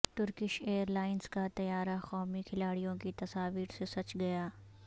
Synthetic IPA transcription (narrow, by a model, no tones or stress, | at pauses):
t̪ʊɾkɪʃeːəɾlaːɪnskat̪ɐjaːɾaxɔːmikʰɪlaːɽijõkit̪ɐsaːʋiːɾsesɐt͡ʃɡɐjaː